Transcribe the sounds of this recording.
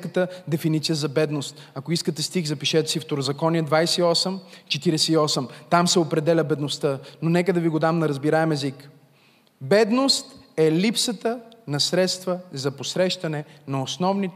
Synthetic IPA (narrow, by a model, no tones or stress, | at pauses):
kət̪əd̪ɛfinit̪sijəzɐbɛd̪nost̪ | ɐkoiskət̪ɛst̪ixzɐpiʃɛt̪ɛ̥sift̪oɾozɐkɔniəd̪vajsɛiɔsɛmt͡ʃɛt̪iɾɛsɛiɔsɛmt̪amsɛopɾɛd̪ɛlʲəbɛd̪nost̪ənonɛkəd̪ɐviɡod̪amnɐɾɐzbiɾaɛmɛzik | bɛd̪nost̪ɛlipsət̪ənɐsɾɛt̪st̪vəzɐposɾɛʃt̪ɐnɛnɐosnɔvni